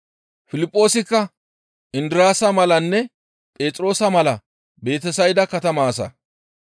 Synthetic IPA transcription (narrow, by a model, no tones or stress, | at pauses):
fɪlɪpʼːo̞ːsɪkːɐ | ʔɪnd̪ɪɾaːsɐmɐlɐnːɛ | pʼe̞ːt̪ʼɾo̞ːsɐmɐlɐ | be̞ːt̪ɛsɐjd̪ɐkɐt̪ɐmaːsɐ̰